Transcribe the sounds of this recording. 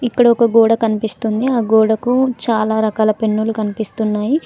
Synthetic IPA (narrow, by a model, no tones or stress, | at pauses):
ikːɐɽɐɔkɐɡoːɽɐkɐnipist̪und̪iaːɡoːɽɐkut͡ʃaːlaːɾɐkaːlɐpe̞nːulukɐnipist̪unːaːji